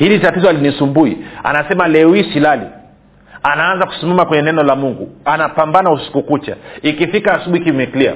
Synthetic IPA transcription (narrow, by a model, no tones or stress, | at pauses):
hilitatizɔhalinisumbuia̰nasɛmalɛwisilalḭ | anaanzaku̥sumamakwɛɲɛnɛnɔlamuŋɡṵanapambanausi̥kukut͡ʃa̰ikifikaːsuɓuikimɛklia̰